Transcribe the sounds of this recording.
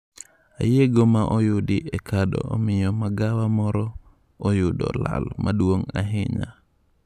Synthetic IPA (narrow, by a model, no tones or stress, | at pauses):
a̰jeɡomaʔɔjudiʔɛkʰadɔ̰ːmɪjɔmaɡawamɔɾɔ | ojudɔ̰la̰lmaduwoŋa̰ɦɪɲa̰